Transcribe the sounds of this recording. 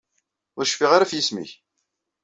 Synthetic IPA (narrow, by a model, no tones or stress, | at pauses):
ʊɾʃfiʁaɾafjismḭç